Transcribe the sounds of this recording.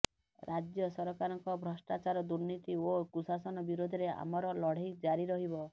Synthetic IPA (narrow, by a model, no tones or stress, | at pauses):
ɾʔad͡ʒjɔsɔɾɔkaɾɔŋkɔbʱɾɔsʈat͡ʃaɾɔd̪uɾnit̪iokusasɔnɔbiɾod̪ʱɔɾea̰mɔɾɔlɔɽ̤ikd͡ʒaɾiɾɔɦibɔ